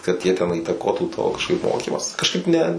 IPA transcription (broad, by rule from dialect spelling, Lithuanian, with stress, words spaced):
kɐt ˈjiɛ tʲɛn iːtɐˈkoːtuː toː kɐʃˈkɐɪp ˈmoːkʲiːmɑːs kɐʃˈkɐɪp nʲɛ